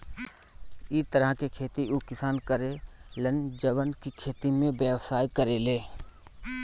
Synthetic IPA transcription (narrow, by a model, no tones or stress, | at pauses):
ɪt̪əɾəkekʰeːt̪iʔukɪsaːnkəɾelənd͡ʒəʋənkikʰeːt̪imẽbjəwsaːjkəɾeleː